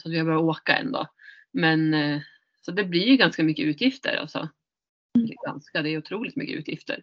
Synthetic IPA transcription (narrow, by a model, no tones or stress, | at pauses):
sɔat̪vɪhabœɾjaoːkaɛ̰nːd̪o̰ː | mɛn | sɔd̪ɛblɪjɵɡanskamʏkːəʉ̟ːt̪ʰjɪft̪ʰə̰ɾʔa̰lsɔ̰ | ɡa̰nskad̪ɛɛɾjʉʊt̪ʰɾuːlɪt̪mʏ̰kːəʉ̟ːt̪ʰjɪ̰ft̪ʰə̰ɾ